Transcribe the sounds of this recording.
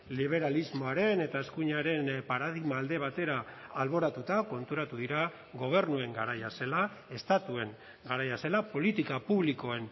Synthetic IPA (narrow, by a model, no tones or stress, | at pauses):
liβ̞e̞ɾalizmo̞aɾe̞ne̞t̪ae̞skuɲaɾe̞npaɾaðiɣmaːld̪e̞β̞at̪e̞ɾaːlβo̞ɾat̪ut̪ako̞nt̪uɾat̪uðiɾa | ɣo̞β̞e̞ɾnue̞ŋɡaɾajase̞lae̞st̪at̪ue̞ŋ | ɡaɾajase̞lapo̞lit̪ikapuβliko̞e̞n